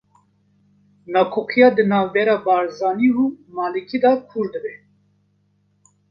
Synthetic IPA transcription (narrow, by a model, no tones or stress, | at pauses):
nɑkʰokʰijɑd̪ənɑːvbɛɾabɑːɾzɑːniumɑːlɨkʰid̪akʰuɾd̪ɨbɛ